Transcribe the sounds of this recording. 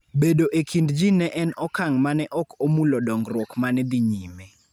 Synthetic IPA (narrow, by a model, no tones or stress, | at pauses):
bedoʔekʰindd͡ʒinɛʔɛnɔkaŋmanɛʔɔkomulodɔŋɡɾwɔkmanɛd̪iɲime